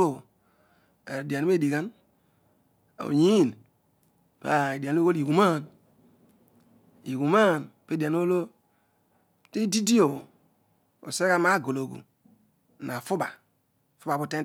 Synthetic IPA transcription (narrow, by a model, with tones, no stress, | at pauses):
o˦˨ | e˨di˨a˨n˦e˦˨di˨ɡa˦n | o̰˨ɲi˦˨n | pa˨e˨di˨a˨˦o˦wo˦li˨wu˨ma˦˨n | i˨wu˨ma˦˨npe˦di˨a˨n˦o˦lo˦ | ti˦di˦di˦o˨o˨ | o̰˨se˦ka˦ma˦˨ɡo˨lo˨ɡṵ˨ | na˨fu˦ba˨ | fu˦ba˨bu˨te˦